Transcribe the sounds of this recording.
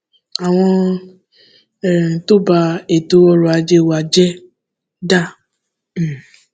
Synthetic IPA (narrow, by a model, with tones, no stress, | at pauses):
a˨w̃ɔ̃˧˨ | to˦ba˧e˨to˧˦ɔ˧ɾɔ˧a˧d͡ʒe˧˨wa˨˧d͡ʒɛ˦ | da˦˨˦